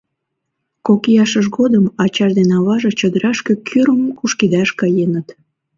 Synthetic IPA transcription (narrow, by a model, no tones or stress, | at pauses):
kokijɑʃəʃɣod̪əmɑt͡ɕɑʒd̪enɑβɑʒet͡ɕəd̪əɾɑʃkekʰyɾəmkuʃkid̪ɑʃkɑjenət̪